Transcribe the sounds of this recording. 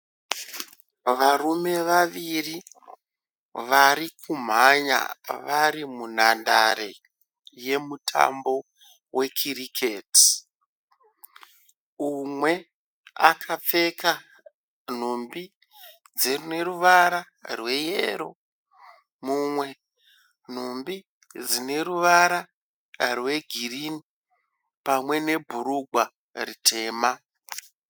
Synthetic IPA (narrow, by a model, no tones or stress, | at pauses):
ʋarume̞ʋaʋiri | ʋaɾikʰum̤aɲa̰ʋaɾimun̤andaɾe̞ | je̞mutʰa̰mbo̞ | we̞kʰirikʰeti̥ | umwe̞ | a̰kʰap͡fe̞ka | n̤ombi | d͡zerune̞ɾuʋaɾa | rwe̞jḛɾo̞̰ | mumwe̞ | n̤ombi | d͡zine̞ɾuʋaɾa | rwe̞ɡʱirini | pamwe̞ne̞bʱuɾuɡʱwa | ritʰe̞ːma